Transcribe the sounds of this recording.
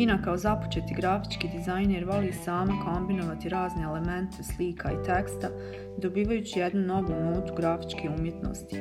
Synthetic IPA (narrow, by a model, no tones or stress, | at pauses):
inakaozapo̥t͡ʃe̞t̪iɡɾafi̥t͡ʃkiːd̪izajnjeɾʋo̞liːsaːmako̞mbino̞ʋat̪iɾaːzneele̞me̞nt̪ʰeslikʰait̪e̞kst̪a | d̪o̞biːʋajuːt͡ɕije̞d̪nuno̞ʋumuːt̪uɡɾafi̥t͡ʃkeumje̞t̪no̰ːst̪i̥